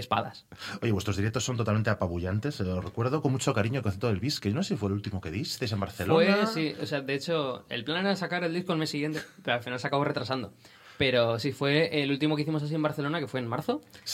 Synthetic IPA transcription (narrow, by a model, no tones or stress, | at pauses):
espa̰ða̰so̞ʝewe̞st̪ɾo̞zðiɾekt̪osːo̞nt̪ot̪alment̪eapaβuʝant̪e̞sosrekwe̞ɾðokonmut͡ʃo̞kaɾiɲokoθet̪oelβiskejonosesifwelult̪imoke̞ðijsst̪ajsemba̰ɾθelwneasio̰sead̪eet͡ʃo̞ḛlplaneɾaesakaɾe̞ld̪iskolmesːiɣje̞nt̪e̞palfinalsakaβore̞t̪ɾasand̪o̞ | pe̞ɾo̞sifwe̞elult̪imokeiθimos̬as̬ie̞mbaɾθe̞lo̞nake̞fwe̞ːnmaɾθo̞